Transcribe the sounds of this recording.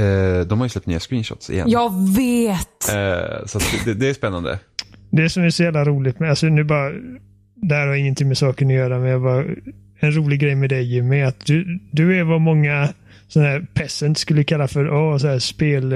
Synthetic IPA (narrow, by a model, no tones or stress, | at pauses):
ɛd̪ɔmhaɾjəslɛp̚t̪nḭːaskɾiːnʃɔ̰t̪sɪ̰jɛ̰jɑːveːt̪sɔat̪d̪ɛd̪ɛːspɛnːa̰nd̪ə̰d̪ɛæʂɔmæsɔjæːvlaɾuːlɪt̪mɛalsɔnʉ̟ːbɑːɾa | d̪ɛhæːɾhaɾjaɪŋːənt̪ɪŋmɛsɑːkənɔjœːɾamɛnjɑvɑ | ɛnɾuːlɪɡɾɛjmɛd̪ɛjmɛat̪̚d̪ɵd̪ɵɛvamɔŋːa | sɔnahæːɾpʰɛsənt̪skɵlːəkʰalːafœɾʔɔːsɔhæːɾspeːl